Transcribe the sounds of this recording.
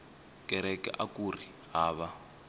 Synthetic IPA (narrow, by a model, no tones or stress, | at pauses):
kɛɾɛkɛ̰ʔakuri | ɦaːβa